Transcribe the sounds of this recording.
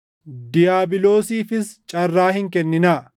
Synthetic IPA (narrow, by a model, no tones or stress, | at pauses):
d̪ɪjaːbɪlo̞ːsiːfɪst͡ʃʼɐrːaːhɪŋkɛnːɪna